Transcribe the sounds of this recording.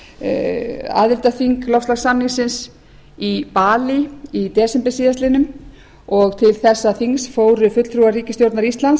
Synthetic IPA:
a̰ðɪlt̪aθiŋklɔwfst̪laɣsannɪŋsɪns | ipaːliit̪ɛːsɛmpɛsiːðast̪ɪnʏm | ɔɣt̪ʰɪlθɛsːaθiŋsfoːwɾʏfʏt̪l̥t̪ʰɾuaɾiːcɪst̪jowɾt̪naɾist̪lans

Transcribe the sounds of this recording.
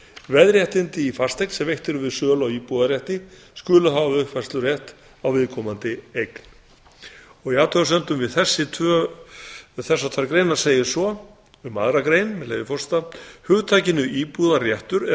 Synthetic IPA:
vɛðɾjɛht̪ɪnt̪ɪifar̥st̪ejknsɛmvejht̪ɛɾʏvɪðsœːlawiːpuðaɾjɛht̪ɪ | skʏːlʏɦavaʏhpvɛr̥st̪lʏɾjɛht̪ | awvɪðkʰɔmant̪ɪejkn̥ | ɔɣiaːt̪ʰœsœnt̪ʏmvɪðθɛsːɪt̪ʰœ | ɪθɛsːat̪ʰvœɾkɾejnaɾ̥seːjɪ̥sɔ | ʏma̰ðɾakɾejnmɛlḛjðɪfɔr̥st̪ahʏɣt̪ʰaːjcɪnʏʔiːpuðarjɛht̪ʏɾɛ

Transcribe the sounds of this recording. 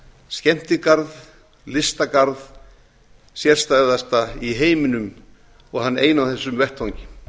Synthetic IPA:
scɛm̥t̪ɪkaɾð | lɪst̪akaɾð | sjɛr̥st̪aœðast̪aiɦeːjmɪnʏm | ɔɣhanːeːjnawθɛsːʏmvɛht̪hawɲcɪ̥

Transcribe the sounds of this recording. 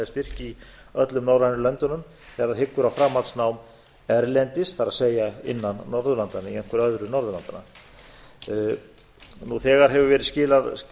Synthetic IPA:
st̪ɪr̥cɪi | œt̪lʏmnaːwɾajnʏlœnt̪ʏnʏm | θɛːɣaɾaðɦɪkːʏɾawfɾaːmːat̪snawm | ɛɾlɛnt̪ɪsθaɾaðseːjaɪ̰nːanːɔɾðʏɾlant̪anːɪiɛjŋ̥kvʏɾœðɾʏnɔɾðʏla̰nt̪ana̰ | nuθɛːɣaɾ̥ɦɛvʏɾvɛːɾɪðscɪːlað

